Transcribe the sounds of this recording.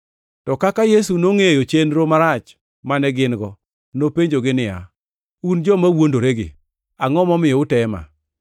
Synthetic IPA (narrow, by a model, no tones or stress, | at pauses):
tɔkakajesunoŋejot͡ʃenɾomaɾat͡ʃ | manɛɡɪnɡɔ | nopeɲd͡ʒoɡɪnɪa̰ | und͡ʒɔmawondoɾeɡɪ̰ | aŋɔmɔmɪjɔʊtɛma̰